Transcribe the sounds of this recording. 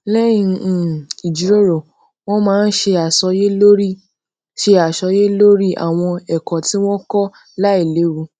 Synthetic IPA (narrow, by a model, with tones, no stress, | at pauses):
lɛ˦jĩ˧˨i˨d͡ʒi˨˦ɾo˦˨ɾo˨ | w̃ɔ̃˦mãː˦˧n̩˦ʃe˧a˨ʃɔ˧˦je˦lo˦ɾi˦˨ | ʃe˧a˨ʃɔ˧˦je˦lo˦ɾi˦a̰˨w̃ɔ̃˧ɛ˨kɔ̃˨ti˦w̃ɔ̃˦kɔ˦ | la˦i˦˨le˨˦wu˧˦